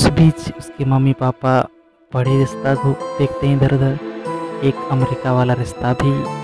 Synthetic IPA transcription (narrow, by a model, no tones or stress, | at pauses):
sbiːt͡ʃʊskemɐmːipaːpa | bɐɽ̤iɾɪst̪aɡʱud̪eːkʰt̪eɦɛ̃d̪ʱɐɾd̪ʱə | eːkəmeɾikaʋaːlaɾɪʃt̪abʱi